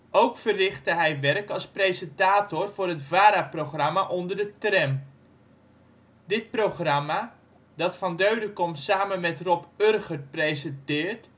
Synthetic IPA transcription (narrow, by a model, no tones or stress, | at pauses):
ʔowkfərɪχtəɦɛjʋɛrkɑlˠsprejzəntaːtʊrvʊːrɦətvaːɾaproχramaʔɔndərdətrɛm | dɪt̚prowχrama | dɑtfɑndøɥdəkɔmtsaːmənmɛtrɔpørχərt̚prejzəntɪːrt